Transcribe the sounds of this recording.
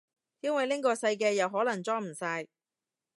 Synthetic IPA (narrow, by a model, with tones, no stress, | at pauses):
jɐ˥nwɐ˨jlɪ˥ŋkɔː˧sɐ˧jk̬ɛː˧jɐ˨wɦɔː˨˥lɐ˨˩ŋt͡sɔː˥m̩˨˩saː˧j